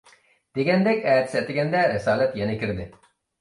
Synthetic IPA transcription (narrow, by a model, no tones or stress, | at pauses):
d̪̥eɡʲɛnd̪ɛkʲɛːt̪sɛt̪ɪɡʲɛnd̪ɛɾɪsɑːlɛt̪jɛnɪkʲɪɾd̪ɪ